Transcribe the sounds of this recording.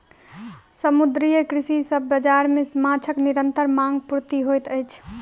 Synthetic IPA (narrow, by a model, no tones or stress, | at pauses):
səmud̪ɾijəkɾisisəbːəd͡ʒaɾmesmat͡ʃʰəkniɾənt̪əɾmãŋɡpuɾt̪iɦojt̪əjt͡ʃʰ